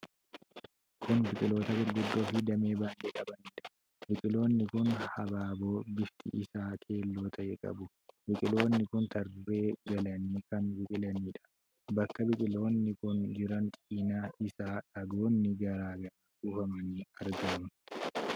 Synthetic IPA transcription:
kʰʊnbɪkʼɪlo̞ːt̪ɐɡɪɾɡʊd̪ːo̞ːfɪd̪ɐme̞ːbaːnd̪eːkʼɐbɐniːᶑɐ̥ | bɪkʼɪlo̞ːnːɪkʊnhɐbaːbo̞ːbɪft̪ʰḭʔɪsaːkʰe̞ːlːoːt̪ʰɐʔɛkʼɐ̰bʊ | bɪkʼɪlo̞ːnːɪkʊnt̪ɐɾbe̞ːɡɐlɐniːkɐnbɪkʼɪlɐniːᶑɐ̥ | bɐkːɐbɪkʼɪlo̞ːnːɪkʊnd͡ʒɪɾɐnt͡ʃʼiːnaːɪsaːᶑɐɡo̞ːnːɪɡɐɾaːɡɐnɐkuːfɐmɐniːɐɾɡɐmɐ

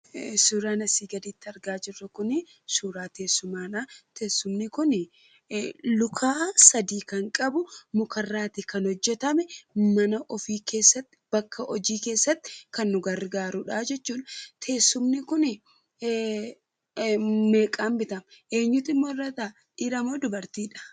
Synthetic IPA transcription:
suːɾaːnɐsiːɡɐd̪iːt̪ːɪɐɾɡaːd͡ʒɪrːɐkʊnɪ | suːɾaːt̪e̞ːsːʊmaːnɐt̪e̞ːsːʊmnɪkʊn | lʊkʰaːsɐd̪iːkɐŋkʼɐbʊmʊkɐrːaːt̪ɪkɐnhɔd͡ʒːɛt̪ɐmɛmɐnɐʔɔfiːke̞ːsːɐt̪ːɪ̥b̥ɐkʰːɐʔɔd͡ʒiːke̞ːsːɐt̪ːɪ̥kɐnːʊɡɐɾɡaːɾʊᶑaːd͡ʒɛt͡ʃːuːᶑɐ̥t̪ʰe̞ːsːʊmnɪkʊnɪ | me̞ːkʼaːmbɪt̪ɐmʔe̞ːɲːʊt̪ɪmːoɪrːɐt̪a | ᶑiːɾɐmoːd̪ʊbɐɾt̪iːᶑɐ̥

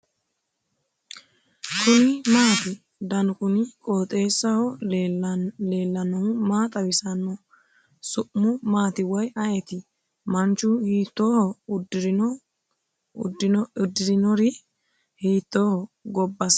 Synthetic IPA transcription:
kʊnɪmaːt̪ɪ | d̪ɐnkʊnɪkʼoːt̪ʼe̞ːsːɐhɔ | le̞ːlːɐnɔʊmaːt̪ʼɐwɪsɐnːɔ | sʊʔmʊmaːt̪ɪwɐjɐjɛt̪ɪ | mɐnt͡ʃːʊhiːt̪ːoːhɔdɾ | d̪ɪd̪ɪɾɪnɔɾɪ | hiːt̪ːoːhɔɡɔbːɐs

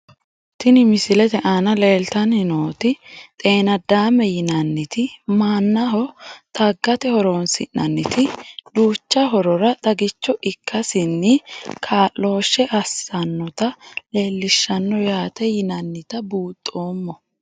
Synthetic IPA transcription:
t̪ɪnɪmɪsɪlɛt̪ɛʔanɐle̞ːlt̪ɐnhɪno̞ːt̪ɪt̪ʼe̞ːnɐd̪aːmɛjɪnɐnːɪt̪ɪmaːnːɐɦɔt̪ʼɐɡːɐt̪ɛhɔɾoːnsɪ̰nːɐnːɪt̪ɪd̪uːt͡ʃːɐɦɔɾɔɾɐt̪ʼɐɡɪt͡ʃːɔʔɪkʰːɐsɪnːɪkʰaːlːo̞ːʃːɛʔɐsːɐnːɔt̪ɐle̞ːlːɪʃːɐnːɔjaːt̪ɛjɪnɐnːɪt̪ɐbuːt̪ʼːo̞ːmːɔ

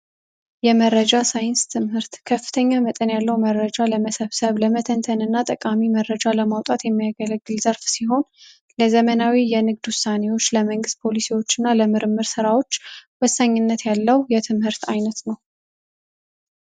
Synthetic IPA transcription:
jɛməɾːəd͡ʒasajɪnst̪ʰɨmhɨɾt̪kʰəfːɨ̥t̪ʰəɲːamət̪ʼənjalːəwmərːəd͡ʒaləməsəβsəβləmət̪ʰənt̪ʰənɨnːat̪ʼəkʼamimərːəd͡ʒaləmawt̪ʼat̪jɛmːijaɡələɡːɨlzəɾfsiho̞n | ləzəmənawijɛnɨɡd̪hwʊsane̞wo̞t͡ʃːləməŋɡɨst̪̚pʰo̞lisiwo̞t͡ʃːɨnːaləmɨɾɨmːɨɾsɨɾawo̞t͡ʃːwɔsːaɲːɨnːət̪jalːəwjɛt̪ʰɨmhɨɾt̪ʰajnət̪nəw

